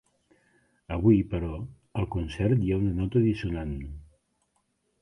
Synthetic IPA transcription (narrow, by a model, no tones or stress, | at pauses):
əβ̞uipəɾɔ | əlˠkunsɛɾt̪jaunənɔt̪əðisunan